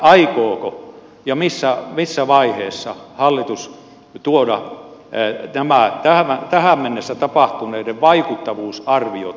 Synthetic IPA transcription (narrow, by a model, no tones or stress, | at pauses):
ɑikoːko | jɑmisːæmisːæʋɑiheːsːɑhɑlːit̪us | t̪uodɑ | næmæt̪æhʋæt̪æhæmmenːesːæt̪ɑpɑht̪unˑeideʋʋɑikut̪ːɑʋuːsɑrʋio̰